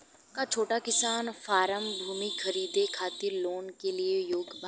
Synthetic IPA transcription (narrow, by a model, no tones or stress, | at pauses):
kat͡ʃʰoːʈakɪsaːnfaːɾəmbʱuːmixɐɾiːd̪ekʰaːt̪ɪɾloːnkeliejoːɡba